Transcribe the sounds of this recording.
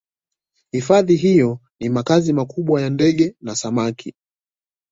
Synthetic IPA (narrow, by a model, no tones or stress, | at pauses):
hifaðiɦijɔnimakazimakuɓwajandɛɠɛnasamakʰi